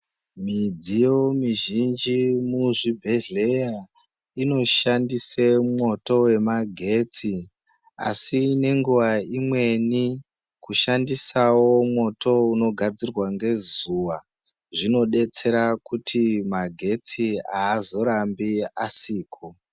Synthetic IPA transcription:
mid͡zijo̞miʒind͡ʒimuʐibʱe̞ɮe̞ja | ino̞ʃandisemo̞to̞we̞maɡʱe̞t͡si | a̰sine̞ŋɡuʋaimwe̞ni | kuʃandisawo̞mwo̞tʰo̞uno̞ɡʱad͡zirwaŋɡe̞zuwa | ʐino̞ɗe̞t͡se̞ɾakutʰimaɡʱe̞t͡siaːzo̞ɾambiasiːkʰo̞

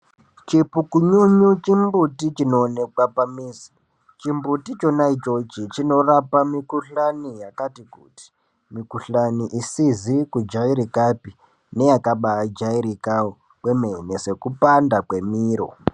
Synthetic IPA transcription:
t͡ʃipukuɲuɲut͡ʃimbutit͡ʃino̞ːne̞kwapamiːs | t͡ʃimbutit͡ʃo̞naid͡ʒo̞d͡ʒit͡ʃino̞rapamikuɬanijakatikṵti̥ | mikuɬaniʔisizikud͡ʒaiɾikapi | ne̞jakaɓaad͡ʒaiɾika | kwemenese̞kupandakwe̞miːɾo̰

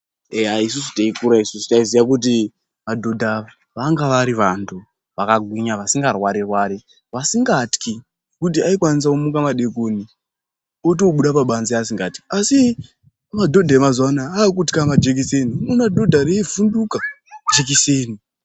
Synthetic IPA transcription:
eaisus̬u̥taikuɾaisusutaizijak̬ut̬i | ʋadʱo̞dʱaa | ʋaŋɡaʋaɾiʋantʰu | ʋakaɡʱwiɲaʋasiŋɡarwaɾirwaːɾi | ʋasiŋɡatki | kutiaik̬wanis̬akumukamaɗe̞koːni | ot̬oɓuɗapaɓanziasiŋɡatki̥asi | madʱo̞dʱaemazanaːkutkamad͡ʒek̬ise̞ninonadʱo̞dʱaɾevundukad͡ʒek̬iseːni

